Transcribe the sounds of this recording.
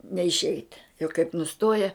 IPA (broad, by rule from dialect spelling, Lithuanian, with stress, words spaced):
nʲɛɪʃʲˈɛɪt jɛʊ kɐɪp nʊˈstoːjɛ